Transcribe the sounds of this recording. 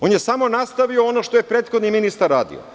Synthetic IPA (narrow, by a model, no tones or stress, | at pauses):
o̞ːnjesamo̞nast̪aʋioonoʃt̪ojepɾeːt̪xo̞d̪niminist̪aɾːaːd̪ḭo̰